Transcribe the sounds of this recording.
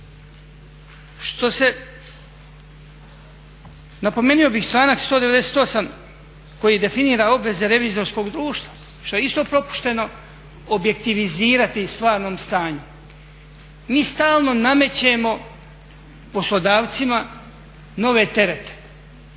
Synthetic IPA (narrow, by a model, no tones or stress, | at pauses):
ʃt̪o̞se̞ | napo̞meːnijo̞bixsaːnakst̪oːd̪e̞ʋe̞d̪e̞seːt̪o̞sam | ko̞jiːd̪e̞finiːɾao̞bʋe̞ze̞ɾe̞ʋiːzo̞ɾsko̞ːɡd̪ɾuːʃt̪ʋa | ʃt̪o̞eist̪o̞ːpɾo̞pu̥ʃt̪e̞no̞ | obje̞kt̪iʋiziːɾat̪ist̪ʋaːɾno̞ːmst̪aːɲu | miːst̪aːlˠno̞name̞t͡ɕe̞mo̞ | po̞slˠo̞d̪aːʋt̪sima | no̞ʋe̞ːt̪e̞ɾe̞t̪e̥